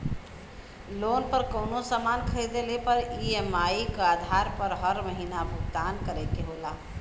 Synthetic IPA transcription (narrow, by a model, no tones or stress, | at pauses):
loːnpəɾkəʊnosəmankʰəjd̪elepəɾiemaikad̪ʱaɾpəɾɦəɾməɦinabʱʊɡd̪aːnkəɾɛkeɦola